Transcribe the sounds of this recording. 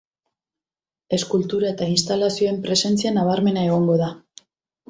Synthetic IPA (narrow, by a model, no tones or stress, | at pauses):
e̞skult̪uɾae̞t̪ainst̪alasio̞e̞mpɾe̞se̞nt͡sianaβaɾme̞nae̞ɣ̞o̞ŋɡo̞ða